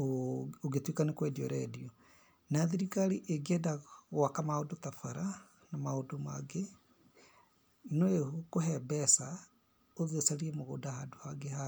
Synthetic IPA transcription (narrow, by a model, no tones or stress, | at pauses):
ooɣetwikanekwɛdiɔɾɛdiɔ | naðiɾikaɾiʔeɡɛdaɣwakamaodotafaɾa | namaodoma̰ɡe | noeokoɦɛbɛsa | oðesaɾiemoɣo̰dahadohaɡeha